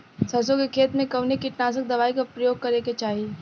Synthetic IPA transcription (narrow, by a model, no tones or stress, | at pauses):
sɐsõkekʰeːt̪mẽkɐʋnekiʈnaːs̬ək̚d̪ɐʋaːikapɾɐjoːɡ̚kɐɾeket͡ʃaːɦie